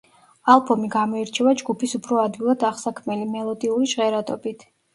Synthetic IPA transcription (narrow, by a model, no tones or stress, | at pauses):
alˠbɔmiɡamɔiɾt͡ʃʰɛvad͡ʒɡupisupʰɾɔad̪ɡilˠad̪aʁsakʰmɛlimɛlˠɔd̪iuliʒʁɛɾat̪ʼɔbit̪ʰ